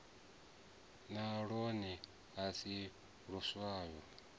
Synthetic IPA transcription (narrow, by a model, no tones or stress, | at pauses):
naɺɔni | ɦasi | ɺuswaːjɔ